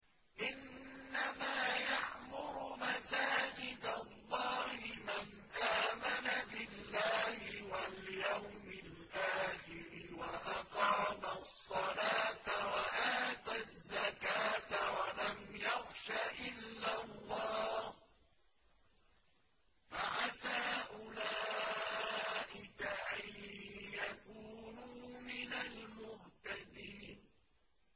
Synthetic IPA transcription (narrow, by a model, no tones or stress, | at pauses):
ʔɪnːamaːjaʕmʊɾʊmasaːd͡ʒɪd̪alˤːɑːhɪman | ʔaːmanabɪlːaːhɪwaljawmɪlʔaːxɪɾɪwaʔɑqɑːmasˤːɑlaːt̪awaʔaːt̪azːakaːt̪awalamjaxʃaʔɪlːalːɑːh | faʕasaːʔʊlaː | ʔɪkaʔajjakuːnuːmɪnalmʊht̪ad̪iːn